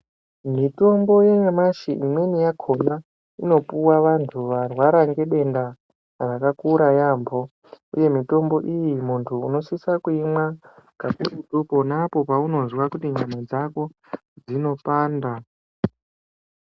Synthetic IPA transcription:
mito̞mbo̞jeɲamaʃiʔimwe̞nijakʰo̞na | ino̞puwaʋantʰuʋarwaɾaŋɡe̞ɗe̞nda | rakakuɾajaːmbo̞ | ṵje̞mito̞mbo̞ʔijimuntʰuːno̞sisakuimwakakuɾutupo̞napo̞pauno̞nzwakutiɲamad͡zako̞ | d͡zino̞paːnda

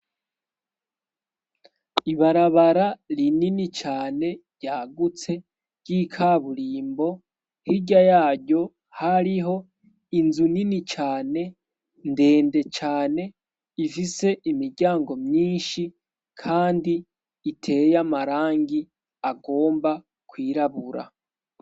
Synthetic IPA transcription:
iβaɾaβaɾaɾininit͡ʃaːne̞ | ɟaːɡut͡se̞ | ɟ̥iːkʰaβuɾiːmbo̞ | hiɟajaːɟo̞ | haɾiɦo̞ | inzuninit͡ʃaːne̞ | nde̞ːnde̞t͡ʃaːne̞ | ifise̞ʔimiɟaːŋɡo̞mɲiːnʃi | kʰaːndiː | tʰe̞jamaɾaːŋɡi | aɡo̞ːmba | kwiːɾaβuɾa̰

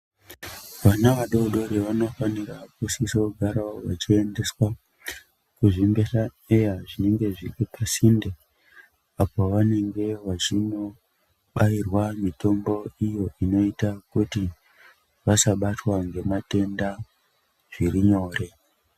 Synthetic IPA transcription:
ʋanaʋaɗo̞ɗo̞ɾeʋano̞fanirakusisoɡʱaɾaoʋa̰t͡ʃie̞nde̞swa | kuʐimbe̞sa | ejaʐine̞ŋɡe̞ʐiripasinde | apoʋane̞ŋɡe̞ʋat͡ʃino̞ | ɓairwamito̞mbo̞ijo̞ino̞itakuti | ʋasaɓatwaŋɡe̞mate̞nda | ʐ̥iriɲo̞ːre̞

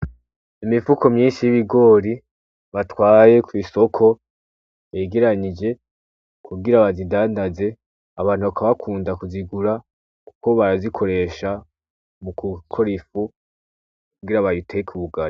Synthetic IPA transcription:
imivuko̞mɲiːnʃijiβiɡo̞ːɾi | βatwaːje̞kwiːso̞kʰo̞ | βeɡeɾaɲid͡ʒe̞ | kʰuɡiɾaβazidaːndaze̞ | aβaːn̥huβakaβakʰuːndakuziɡuɾa | ku̥ko̞βaɾazikʰo̞ɾe̞ʃa | mukukʰo̞ɾifu | kuɡiɾaβajutʰekʰuβuɡaɾi

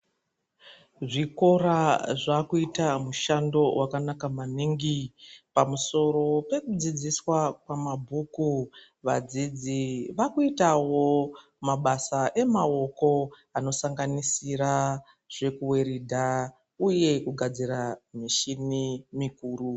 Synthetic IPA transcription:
ʐiko̞ɾaʐakuitamuʃando̞wʔakanakamaniŋɡipamuso̞ro̞pe̞kud͡zid͡ziswakwamabʱuku | ʋa̰d͡zid͡ziʋakuitawo̞ | maɓasaʔe̞mao̞ko̞ | ano̞saŋɡanisiɾa | ʐ̥e̞kuwe̞ɾidʱa | uje̞kuɡʱad͡ziɾamiʃinimikuːru

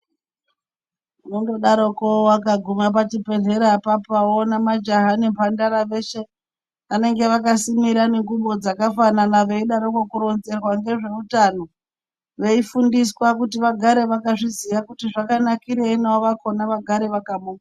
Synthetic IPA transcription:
unondo̞ɗaɾokowakaɡʱumap̬at͡ʃipe̞ɮe̞ɾapapawonamad͡ʒaɦanimpandaɾaʋe̞ʃe̞ | ʋane̞ŋɡe̞ʋakasimiɾaneŋɡuɓo̞d͡zakafananaʋe̞iɗaɾokwakuɾo̞nze̞rwaŋɡe̞ʐe̞utano̞ | ʋe̞ifundiswakutiʋaɡʱaɾe̞ʋakaʐizijakutiʐakanakiɾeinaoʋako̞naʋaɡʱaɾeʋakamuːna

